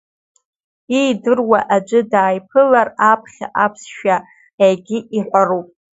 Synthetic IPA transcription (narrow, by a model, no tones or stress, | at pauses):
ijdɨrwaʔad͡ʒʷʼɨdaːjpʰɨlarapʰχʲa̰ʔapʰsʃᶣa | ajɡʲɪʔiħʷarupʼ